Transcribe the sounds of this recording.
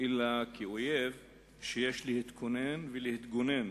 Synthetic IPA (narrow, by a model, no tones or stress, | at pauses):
ʔelakio̞jev | ʃejeʃlehit̪kʰo̞nenvelehit̪ɡo̞nen